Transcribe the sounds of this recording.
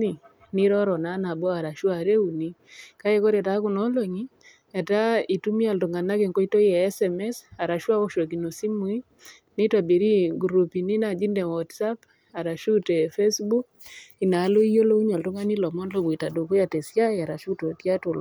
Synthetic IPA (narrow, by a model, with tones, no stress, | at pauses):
ni˨ | ni˦ɾɔ˦ɾɔ˨na˨˦na˨bwa˨ɾa˨ʃwaɾe˦u˨ni˦ka˦e˦ko˦ɾe˨ta˦ku˨nɔ˦lo˨ɲi˦ | a˨ta˦i˨tu˦mi˦a˨lto˨ŋa˨na˦ke˨ŋko˦i˦to˦jɛː˨˦sɛmɛ˦sa˨ɾa˨ʃwa˦wo˦ʃo˨k̬i˨no˨si˦mu˨˦i˦ | ni˦ta˨bi˨ɾi˦ɡuɾu˨pi˨ni˦na˨d͡ʒi˦ndɛ˨wɔ˨tsa˦p | a˨ɾa˨ʃu˦tɛ˨fe˦sbu˦k̚ | i˨na˨˦lo˦i˦jo˦lo˦u˦ɲa˨ltu˦ŋa˦ni˦lɔ˨mɔ˦nlo˦˨ku˨i˨ta˨do˨ku˦ja˨te˨sja˦a˨ɾa˨ʃu˦to˨tja˦to˨l